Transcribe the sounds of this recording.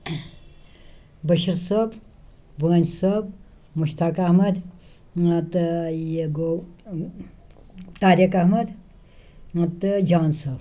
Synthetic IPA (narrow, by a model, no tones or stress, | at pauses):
bɐʃɐɾsɐːb | bəːnsɐb | muʃt̪aːkɐhmɐd̪ | ɐt̪jeɡo | t̪aːɾɐkɐhmɐd̪ | ɐt̪d͡ʒaːnsɐːb